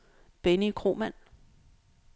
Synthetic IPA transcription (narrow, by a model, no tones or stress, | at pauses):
b̥enikʰʁo̝̰ːmæn̰